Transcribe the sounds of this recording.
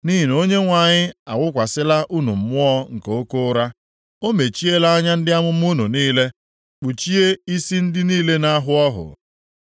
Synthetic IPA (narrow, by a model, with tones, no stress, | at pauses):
ni˦ɦi˨n˨o˦ɲe˦ŋʷa˨ɲɪ˦a˨wʷʊ˦kʷa˨sɪ˦la˦ʔu˦nu˨m̩˨mʊ˦ɔ˦ŋ̩˨ke˨o˦ko˦ɾa˦ | o˦me˨t͡ʃi˦e˦la˦a˦ɲa˦n̩˦dɪ˦a˦mʊ˦m̩˦u˦nu˨niː˦le˦ | k͡pu˨t͡ʃi˦e˦i˦si˦n̩˦dɪ˦niː˦le˦na˦ɦʊ˦ɔ˦ɦʊ̰˨